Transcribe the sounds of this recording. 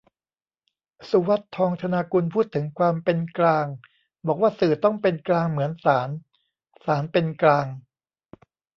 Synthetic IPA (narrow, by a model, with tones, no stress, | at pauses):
su˧˦wa˦˥t̪ʰːɔː˧ŋt͡ɕ̪ʰa˧naː˧ku˧npʰuː˥˩t̪ʰːɯ˩˦ŋkʰwaː˧mpe˧nklaː˧ŋ | bɔː˨˩k̚waː˥˩sɯː˨˩t̪ɔ˥˩ŋpe˧nklaː˧ŋmɯ˩˦ənsaː˩˦n | saː˩˦npe˧nklaː˧ŋ